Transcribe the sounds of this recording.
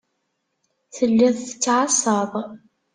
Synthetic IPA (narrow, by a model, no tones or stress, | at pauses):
θəlːæðθət͡sːʕɑsˤɑðˤ